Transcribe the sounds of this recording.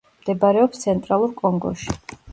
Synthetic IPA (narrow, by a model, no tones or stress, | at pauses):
md̪ɛbaɾɛɔpst̪sʰɛnt̪ʼɾalˠuɾkʼɔŋɡɔ̰ʃi̥